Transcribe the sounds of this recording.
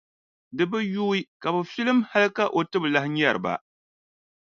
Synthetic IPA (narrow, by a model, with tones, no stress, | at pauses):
dɨ˨bɨ˦juː˦i˦ka˨bʊ˨fi˦lɨ˦mha˦lɨ˦ka˦ʔo˨tɨ˦bla˨hɲɛ˦˨ɾɨ̰˨ba̰˨